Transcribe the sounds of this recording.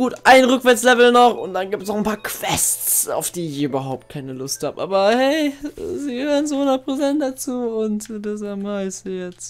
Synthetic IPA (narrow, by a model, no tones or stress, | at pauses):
ɡ̥uːtʔaɪnʁʏkv̥ɛɐt͡slɛvl̩nɔχʊntd̥anɡiːp̚təsnɔχnpʰaːɐkʰv̥ɛst͡sa̰ʊfd̥iːɪɪçʔyːbɐɦaʊp̚t̚kʰaɪnəlʊstha̰ːbəʔa̰ːbɐhɛɪziːɡəhøːʁənzoːhʊndɐt̚pʁ̥ot͡sɛnt̚d̥at͡suːʊntdas̬amaɪsjɛt͡st